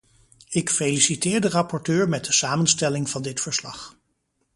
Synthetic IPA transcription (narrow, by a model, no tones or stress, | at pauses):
ɪkfelisitɪːɹdərɑpɔɹtøːɹmɛt̚dəsaːmənstɛlɪŋvɑndɪtfəɹslɑ̰χ